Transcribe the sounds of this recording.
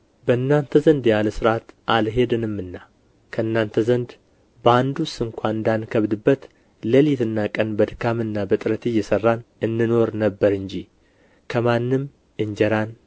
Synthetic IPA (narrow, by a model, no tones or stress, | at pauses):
bəɨnːant̪ʰəzənd̪jaləsɨɾat̪ʔalɦe̞d̪ɨnɨmːɨnːa | kʰəɨnːant̪ʰəzənd̪ | bəand̪usɨŋkʷaɨnd̪ankʰəβd̪ɨbːət̪ | ləlit̪ʰɨnːakʼənbəd̪ɨkʰamɨnːabət̪ʼɨɾət̪ʰejːɛsərːanɨnːɨno̞ɾnəbːəɾɨɲd͡ʒi | kʰəmanːɨm | ɨɲd͡ʒɛɾan